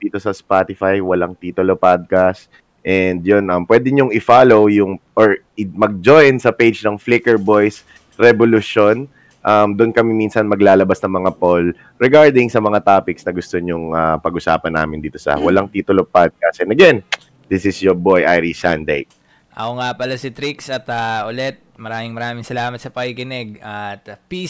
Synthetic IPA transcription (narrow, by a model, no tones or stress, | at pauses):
d̪iːt̪osɐspat̪ɪfajwɐlaŋt̪iːt̪ʊlopad̪̚kast̪ | ʔɛnd̪̚jonʔɐmpwɛːd̪ɪɲʊŋɪfaːlowjʊŋʔoɹ | ɪmɐɡ̚d͡ʒojnsɐpejd͡ʒnɐŋflikɛɹbojs | ɾɛbolʊʃon | ʔɐmd̪ʊnkɐmiminsɐnmɐɡlaːlɐbasnɐŋmɐŋapol | ɹɛɡaɹd̪ɪŋsɐmɐŋat̪aːpɪksnɐɡʊst̪oɲʊŋapɐɡʔʊsa̰ːpɐnːa̰ːmɪnd̪iːt̪osɐ̰wɐlaŋt̪iːt̪ʊlopad̪̚kaːsɛnɐɡɛn | d̪̥ɪsɪsjobojʔajɾisand̪ḛj | ʔɐkoŋapɐlasit̪ɾiksɐt̪ɐʔʊlɛt̪̚mɐɾaːmɪŋmɐɾaːmɪŋsɐlaːmɐt̪̚sɐpɐɡikɪnɛɡ̚at̪pi